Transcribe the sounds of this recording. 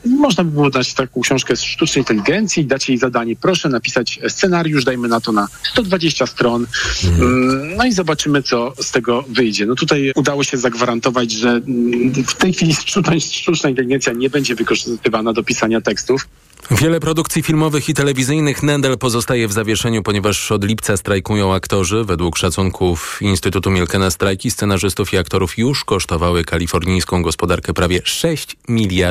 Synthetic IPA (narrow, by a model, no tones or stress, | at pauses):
mɔʐnabɘbɨwɔznat͡ɕt̪akɔ̃w̃kɕɔ̃w̃ʂkɛsʂt̪ut͡ʂnɛjĩnt̪ɛlʲiɡɛnt̪sʲjid̪at͡ɕjejzad̪aɲɛpɾɔʂɛnapʲi̥sat͡ɕst̪sɛnaɾʲjuʐd̪ajmɘnat̪ɔnast̪ɔd̪vad͡ʑeɕt͡ɕast̪ɾɔn | nɔizɔbat͡ʂɘmɘt̪sɔst̪ɛɡɔvɘjd͡ʑɛnɔt̪ut̪ajud̪awɔɕɛzaɡvaɾant̪ɔvad͡ʑʐɛ | ft̪ɛjxfʲilʲist͡ʂuajʂt̪ut͡ʂnaint̪ɛlʲiɡɛnsʲjaɲɛbɛɲd͡ʑɛvɘkɔʐɘst̪ɘvanad̪ɔpʲisaɲat̪ɛkst̪uf | vʲjɛlɛpɾɔd̪ukt̪sʲifʲilmɔvɘxit̪ɛlɛvʲizɘjnɘxnad̪alpɔzɔst̪ajɛvzavʲjɛʂɛɲupɔɲɛvaʂɔd̪lʲipt̪sast̪ɾajkujɔ̃w̃akt̪ɔʐɘvɛd̪wukʂat̪suŋkʰufinst̪ɘt̪ut̪umʲjɛlkɛnast̪ɾajkʲist̪sɛnaʐɘst̪ufiakt̪ɔɾufjuʂkɔʂt̪ɔvawɘkalʲifɔɾɲijskɔ̃w̃ɡɔspɔd̪aɾkɛpɾavʲjɛʂɛɕt͡ɕmʲilʲja